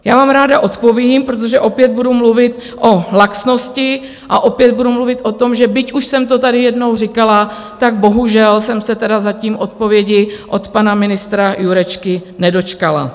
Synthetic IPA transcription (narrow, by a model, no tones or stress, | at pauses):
jaːvaːmɾaːdaʔo̞t̪po̞vjiːmpɾot̪̬o̞ʒɛʔo̞pjɛd̪̚budumluvɪt̪ | ʔo̞laksno̞scɪ | ʔaʔo̞pjɛd̪̚budumluvɪt̪ʔo̞t̪o̞mʒɛbɪcuʃsɛmt̪o̞t̪adɪjɛdno̞wrɪkala | t̪aɡ̚bo̞ɦuʒɛlsɛmsɛt̪ɛdazaciːmʔo̞t̪̚po̞vjɛɟɪʔo̞t̪panamɪnɪst̪ɾajuɾɛt͡ʃkɪnɛdo̞t͡ʃkala̰